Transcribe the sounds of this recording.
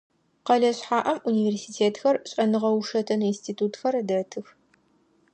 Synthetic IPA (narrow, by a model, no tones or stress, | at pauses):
qɐɮɐɕħaːʔɐmʔuniːveːrsiːtʰeːtxɐrɕʼɐnɨʁɐwuʂɐtʰɐnɨinstʰiːtʰuːtxɐrdɐtʰɨx